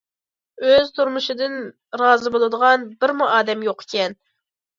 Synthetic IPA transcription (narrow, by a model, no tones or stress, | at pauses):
øzt̪ʰuɾmuʃɨd̪ɨn | ɾɑːzɨbolˠɨd̪əʁɑnbɪɾmuʔɑːd̪ɛmjoqʰe̥kʲɛn